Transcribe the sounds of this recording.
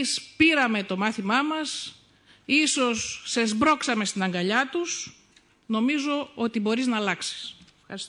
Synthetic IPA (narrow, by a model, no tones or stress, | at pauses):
spiɾɐme̞t̪o̞mɐθimɐmɐs | iso̞sːe̞zbɾo̞ksɐme̞st̪inɐŋɡɐʎɐt̪us | no̞mizo̞o̞t̪ibo̞ɾiznɐːlɐksi̥s | xɐɾis